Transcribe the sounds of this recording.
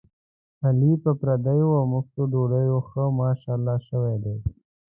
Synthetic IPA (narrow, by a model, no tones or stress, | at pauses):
alipəpɾad̪ajoamʊxt̪oɖoɽajoxəmɑːʃɑːlːɑʃəwed̪e